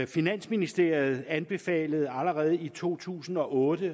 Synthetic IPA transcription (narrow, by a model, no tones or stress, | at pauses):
finæn̰sminisd̥e̝ɐ̰ið̞̩ˠænb̥e̝fɛ̰ːləð̞̩ˠæləʁɛːð̞̩ˠit͡sʰo̝̰ːt͡sʰṵːsn̩ɒ̽ʔɔːd̥ə